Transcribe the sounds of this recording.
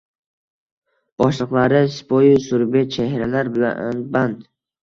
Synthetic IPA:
b̥ɒʃlˠɨqlˠaɾɪspojʊsʊɾbet͡ʃʰehɾalaɾbɪla̰nɪ̰nband̪

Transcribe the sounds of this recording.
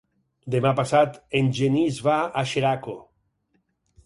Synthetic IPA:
d̪emapasat̪enʲd͡ʒenizβaaʃeɾako

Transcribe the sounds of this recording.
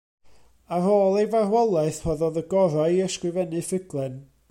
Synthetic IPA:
aroːlˠejvarwɛlˠɛɨθhɔðɔðəɡɔɾaɨəskrɨvɛnɨfəɡlˠɛn

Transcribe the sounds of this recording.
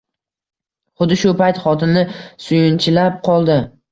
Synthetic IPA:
χʊd̪ɪʃʊpajt̪χɒt̪ʰɪmnɪsʊjɪnt͡ʃʰɪlap̚qʰɒlˠd̪ɪ

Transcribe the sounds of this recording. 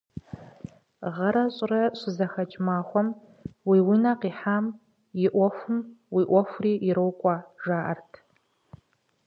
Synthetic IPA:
ʁɐɾɐɕʼrɐɕʷɪzɐxɐt͡ʃʼmaːxʷɔm | wiːwinaqiːħaːm | jɪʔʷɔxʷʊmwiːʔʷɔxʷriːɪɾowkʷʼɑːʒaːʔɐ̰rtʰ

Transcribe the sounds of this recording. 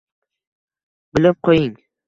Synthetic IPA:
bɪlɪp̚qʰojɪŋ

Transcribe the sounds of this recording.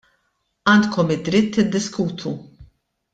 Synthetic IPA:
ɐːnt̪kɔmɪd̪ɾɪt̪ːɪd̪ːɪskuːt̪ʰu

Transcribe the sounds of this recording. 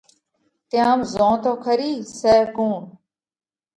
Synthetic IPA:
t̪jãːmzõːt̪oːkʰəɾiːseːkuːn

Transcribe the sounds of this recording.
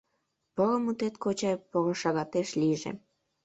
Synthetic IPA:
pəlomut̪et̪kot͡ɕɑjpoloʃɑɣɑt̪eʃliʒḛ

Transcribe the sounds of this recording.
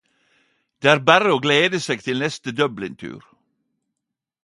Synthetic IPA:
d̪̥eːæːɾbæɾəoːɡleːd̪əseːɡ̚t̪ʰɪlnɛst̪əd̪œblɪnt̪ʰʉ̰ːɾ

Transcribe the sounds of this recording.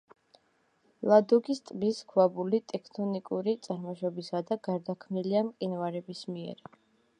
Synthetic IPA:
lˠad̪ɔɡist̪ʼbiskʰwabulit̪ʼɛkʰt̪ʰɔnikʼuɾit̪sʼaɾmɔʃɔbisad̪aɡaɾd̪akʰmniliamqʼinvaɾɛbismiɛ̰ɾ

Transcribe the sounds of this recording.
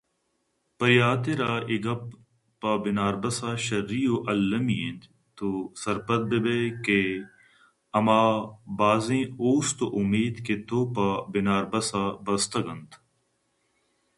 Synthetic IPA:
pɐɾjaːt̪eɾaːʔɪɡɐp̚ | pabɪnaːɾbɐsaːʃɐɾːiːoːʔɐlːɐmiẽnt̪ | t̪osɐɾpət̪̚bebeːke | ɐmaːbaːzẽːoːst̪oʔʊmeːd̪ket̪oːpabɪnaːɾbɐsaːbɐst̪ɐɡɐnt̪

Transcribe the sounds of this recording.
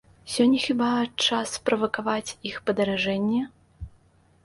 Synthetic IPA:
sʲɔnʲːɛxʲibat͡ʂaspɾɐvɐkavat͡sʲixpɐd̪ɐɾaʐɛnʲːɛ

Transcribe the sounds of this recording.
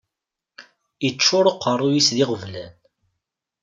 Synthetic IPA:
it͡ʃːʊɾəqːərˤːujisðɪʁəvlæn

